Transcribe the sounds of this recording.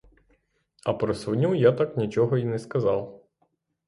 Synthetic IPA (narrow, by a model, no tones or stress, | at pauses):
ɐpɾɔsʋɔnʲujat̪ɑknʲit͡ʃɔɦɔinɛskɐzɑw